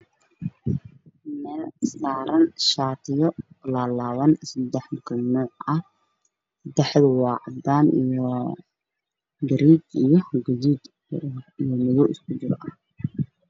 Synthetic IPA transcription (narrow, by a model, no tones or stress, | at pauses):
mɛːlɪsaːɾɐnʃaːt̪ʰɪjɔlaːlaːβɐnsɪd̪ɛħmʊkʰɪlnɔːʕɐ | d̪ɛħd̪wɑːʕd̪aːnḭjɔ | ɡɐɾiːd̪ijɞɡɐðiːd̪ | ijɔmɪðɔwɪskʰʊt͡ʃɪɾʔɐh